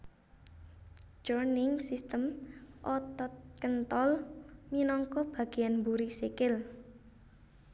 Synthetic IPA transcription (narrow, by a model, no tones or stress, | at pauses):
d͡ʒɔrnɪŋsist̪əmʔɔt̪ɔt̪̚kənt̪ɔlminɔŋkɔb̥a̤ɡ̥ijanmbuɾisekɪl